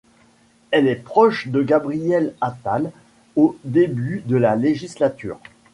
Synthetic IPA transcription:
ɛlɛpχɔʃd̪əɡabʁijɛlat̪al | od̪ebyd̪əlaleʒislat̪y̰ːʁ

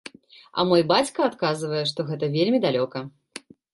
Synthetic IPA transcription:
ɐ̰mɔjbat͡sʲkɐat̪kazɨvɐjɛʂt̪ɔɣɛt̪ɐvʲelʲmʲid̪alʲɔkɐ

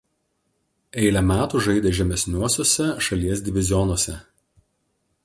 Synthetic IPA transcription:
ɛɪlʲɛmʲæːt̪uːˑʒɐɪd̪ʲɛʒʲɛmʲɛsʲnʲuɔsʲoːsʲɛʃɐlʲiɛs̬ʲd̪ʲɪʋʲɪzʲɪjɔnuɔsʲɛ

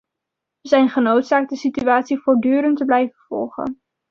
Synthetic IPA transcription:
əzɛjnχənowtsaːk̚dəsityaːtsivʊːɹdyːɾəntəblɛjvəv̥ɔ̰lˠχə̰n

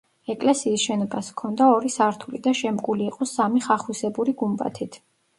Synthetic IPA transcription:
ɛkʼlɛsiːsʃɛnɔbaskʰɔnd̪aɔɾisaɾt̪ʰulid̪aʃɛmkʼuliːqʼɔsamiχaχusɛbuɾiɡumba̰t̪ʰit̪ʰ

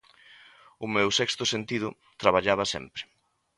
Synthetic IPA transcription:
ʊmewsɛkst̪ʊsent̪iðʊ | t̪ɾaβ̞aʎaβɐsɛ̰mpɾɪ̥

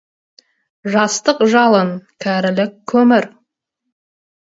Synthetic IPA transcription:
ʒɑst̪əqʒɑlˠənkʲʰæɾɪlɪkʲʰːɵmɪɾ

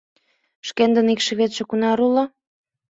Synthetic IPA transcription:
ʃkend̪ə̆nikʃĕβet̪ʃĕkunɑɾulɑ

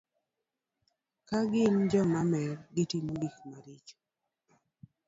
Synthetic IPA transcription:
kaɡɪnd͡ʒɔmamɛɡɪtimbikmaɾit͡ʃ

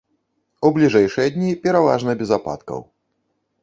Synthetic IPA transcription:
ublʲiʐɛjʂɨjɐd̪ʲnʲipʲɛɾava̰ʐnɐbʲɛzapa̰t̪kɐ̰w

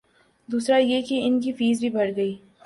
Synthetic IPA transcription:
d̪uːsɾajekeɪnk̬ifiːzbʱibʱɐɽɡɐiː

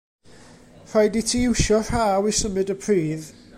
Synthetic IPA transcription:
r̥ajdɪtʰiɪwʃɔr̥aːwisəmɨdəpʰr̥iːð

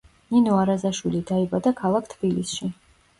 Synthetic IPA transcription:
ninɔaɾazaʃwilid̪aibad̪akʰalˠakʰt̪ʰbilisʃi

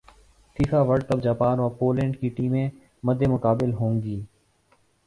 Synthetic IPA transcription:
fiːfaːʋəɖt̪əbd͡ʒaːpaːnʋaːpoːlẽːɳɖkiːʈiːmẽː | məd̪ʱːeːmʊkaːbɪlɦõːŋɡiː

